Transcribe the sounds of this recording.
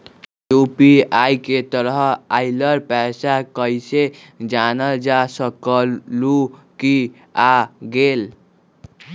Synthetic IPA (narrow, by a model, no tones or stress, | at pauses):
jupiajket̪ʌɾɦajlʌɾpasakʌjse | d͡ʒanʌld͡ʒasʌkʌluki | aɡel